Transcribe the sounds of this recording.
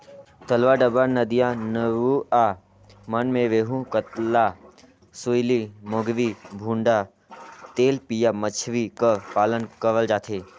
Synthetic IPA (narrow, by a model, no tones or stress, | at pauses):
t̪əlʋaɖəbaɾnəd̪ijãnəɾua | mənmẽʋeːɦũkət̪la | sujlimoɡʋibʱũːɳɖa | t̪eːlpijamət͡ʃʰʋikəpaːlənkəɾəld͡ʒaːt̪ʰe